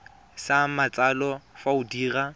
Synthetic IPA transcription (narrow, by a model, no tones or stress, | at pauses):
samat͡sʼalɔfaʊdiːra